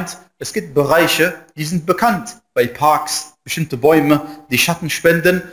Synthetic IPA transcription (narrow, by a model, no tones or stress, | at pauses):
nt | ʔɛsɡ̥iːp̚t̚b̥əʁaɪçəd̥iːzɪnt̚b̥əkʰantb̥aɪpʰaɐksb̥əʃtɪmtəbɔʏməd̥iːʃatn̩ʃpɛndən